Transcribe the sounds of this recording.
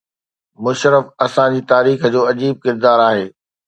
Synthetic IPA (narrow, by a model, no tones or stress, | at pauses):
mʊʃɾəfɐsãd͡ʑiːt̪aːɾiːxd͡ʑoːɐd͡ʑiːb̚kɪɾd̪aːɾaːɦeː